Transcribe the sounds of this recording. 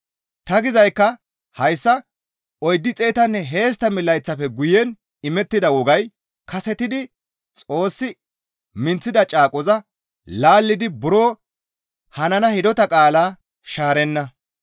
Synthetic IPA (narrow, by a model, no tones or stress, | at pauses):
t̪ɐɡɪzɐjkːɐ | hɐjsːɐ | ɔjd̪ːɪt͡sʼejt̪ɐnːɛɦe̞ːs̬t̪ːɐmɪlːɐjt͡sːɐfɛɡʊjɛn | ɪmɛt̪ːɪd̪ɐwɔɡɐj | kɐsɛt̪ɪd̪ɪ | t͡sʼo̞ːsːɪ | mɪnt͡sːɪd̪ɐt͡ʃʼaːkʼɔzɐ | laːlːɪd̪ɪbʊɾoː | hɐnɐnɐhɪd̪ɔt̪ɐkʼaːlaː | ʃaːɾɛnːɐ